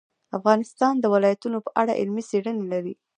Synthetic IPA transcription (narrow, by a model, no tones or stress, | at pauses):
afɣɑnɪst̪ɑnd̪əwɪlɑjat̪unopəʔaɽa̰ʔɪ̰lmiseɽənelaɾi